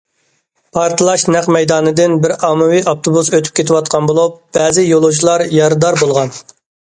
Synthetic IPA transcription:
pʰɑɾt̪ʰɨlˠɑʃnɛqmɛjd̪ɑːnɨd̪ɪnbɪɾɑmɨwiʔɑp̚t̪ʰobusøt̪ʰy̥p̚kʲʰet̪ʰɪwɑt̪̚qʰɑnbolˠup̚b̥ɛːzɪjolˠoʒilˠɑɾjɑɾɨd̪ɑɾbolˠʁɑn

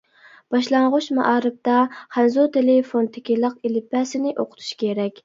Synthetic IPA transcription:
b̥ɑʃlˠɑɴʁʊʃmɑ̰ʔɑːɾɨp̚t̪ɑχænzot̪ʰelɪfont̪ʰɪkʲilˠəqilɪpːæsɪnɪʔoqʰʊ̥t̪ʰu̥ʃkʲʰeɾɛkʲ

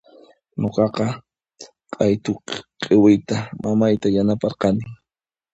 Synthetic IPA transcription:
noqɑqɑ | qʼɑjt̪ʊqʼewɪjt̪amamajt̪ajanapɑɾqɑnɪ

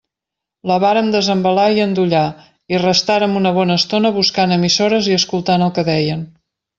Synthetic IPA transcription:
ləβaɾəmd̪əzəmbəlaiənd̪uʎa | irəst̪aɾəmunəβɔnəːst̪onəβuskanəmisoɾəziəskulˠt̪anəlˠkəðɛjən

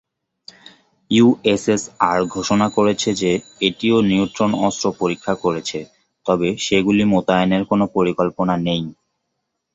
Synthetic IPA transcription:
juesesaɾɡʱoʃonakoɾet͡ɕʰed͡ʑeeʈioniont̪ɾonɔst̪ɾopoɾikʰːakoɾet͡ɕʰe | t̪ɔbeʃeɡulimot̪aeneɾkonopoɾikolponanej

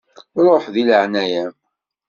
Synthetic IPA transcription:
ɾˤoħðiləʕnæjæm

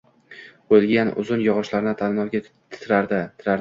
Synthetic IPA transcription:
ojlɡʲanʊ̰zʊnjɒʁɒʃlaɾɪnɪt̪ʰannɒwɡʲa | t̪ʰt̪ʰɾaɾd̪at̪ʰɪɾaɾɪ

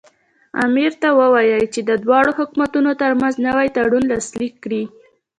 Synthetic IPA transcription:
a̰miɾt̪awəwɑjəjt͡ʃed̪əd̪wɑɽohʊkmat̪unot̪əɾmanznəwajt̪aɽunlɑslikːɽi

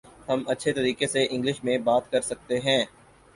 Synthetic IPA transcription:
hɐmɐtːʃʰet̪ɐɾiːkeseʔɪ̃ŋɡlɪʃmẽbaːt̪kɐɾsɐk̚t̪eɦɛ̃ː

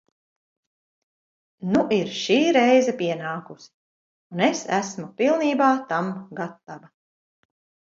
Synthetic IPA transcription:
nuʔiɾʃiːɾɛjzɛpʲiɛnaːkusi̥ | unesæsmupilˠniːbaːt̪amɡat̪ːavɐ

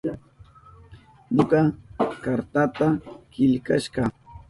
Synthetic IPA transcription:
ɲokɑkaɾt̪at̪akɪʎka̰ʃɢɑ

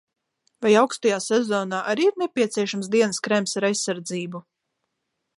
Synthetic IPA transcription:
vajawkst̪ajaːsɛzɔːnaːʔaɾiːiɾnɛpʲiɛt̪siɛʃams̬d̪iɛnskɾɛmsaɾajsːaɾd̪ziːbu

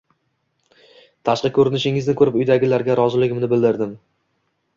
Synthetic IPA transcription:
t̪ʰaʃqɨkʲʰɵɾɪnɪʃɪŋɪznɪkʰɵɾɪpʊjd̪aɡʲɪlaɾɡʲaɾɒzɪlɪɡʲɪmnɪbɪld̪ɪɾd̪ɪm

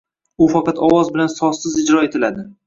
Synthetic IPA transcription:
ʊfɑqɑt̪ʰɒwɒzbɪlansɒsɪzɪd͡ʒɾɒet̪ʰɪlad̪ɪ

